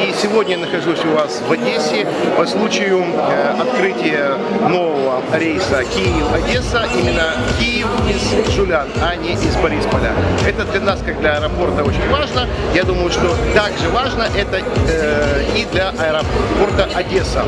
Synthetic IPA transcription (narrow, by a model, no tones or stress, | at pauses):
isʲɪvo̞dʲnʲəjnəxɐʐusʲʊvasvɐdʲesʲɪ | pɐslˠut͡ɕɪjʊɐt̪kɾɨtʲɪjəno̞vəvəɾʲejsəkʲijɪfɐdʲe̞səʔimʲɪnːə | kʲijɪfizʐʊlʲanɐnʲeʔizbɐɾʲispɐlʲa̰ɛt̪əd̪lʲɐnaskaɡ̚d̪lʲɐɐɛɾɐpo̞rt̪əot͡ɕɪnʲvaʐnə | jad̪uməjʊʂt̪o̞t̪aɡʐɨvaʐnəʔɛt̪ə | id̪lʲɐʔɐɛɾɐppo̞rt̪əʔɐdʲe̞sə̰